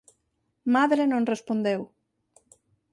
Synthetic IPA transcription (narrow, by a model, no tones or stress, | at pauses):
maðɾenõŋrespond̪ew